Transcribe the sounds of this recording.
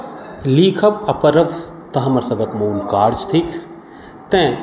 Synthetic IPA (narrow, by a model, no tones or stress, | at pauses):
liːkʰɐbɐpɐɾɐʋ | t̪ɐɦɐmɐɾsɐbɐkmuːlkaːɾd͡ʒt̪ʰik | t̪ẽː